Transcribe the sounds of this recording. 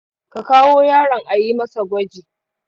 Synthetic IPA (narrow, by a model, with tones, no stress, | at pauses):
ka˨kaː˦woː˦jaː˦ɽɐ˨ŋʔa˨jiː˦mɐ˦sa˨ɡʷɐ˦d͡ʒiː˨